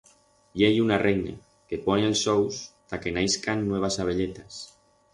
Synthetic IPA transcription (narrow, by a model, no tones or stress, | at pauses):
ʎejunarejna̰ | keponelsowst̪akenajskanːweβ̞asaβ̞eʎet̪as